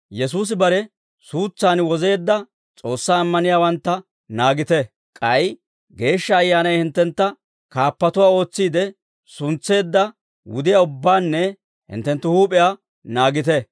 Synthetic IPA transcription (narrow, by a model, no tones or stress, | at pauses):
jɛs̬uːs̬ɪbɐɾɛ | suːt͡sːaːnwɔze̞ːd̪ːɐ | t͡sʼo̞ːsːaːmːɐnɪjaːwɐnt̪ːɐ | naːɡɪt̪ɛ | kʼɐj | ɡe̞ːʃːɐːjːaːnɐjhɪnt̪ːɛnt̪ːɐ | kaːpːɐt̪ʊwaːo̞ːt͡sːiːd̪ɛ | sʊnt͡sːe̞ːd̪ːɐ | wʊ̰d̪ɪjaʊbːaːnːɛ | hɪ̰nt̪ːɛnt̪ːʊhuːpʼɪja | naːɡɪt̪ɛ